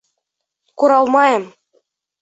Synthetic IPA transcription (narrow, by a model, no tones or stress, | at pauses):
kuɾɑlˠmɑjɤ̆m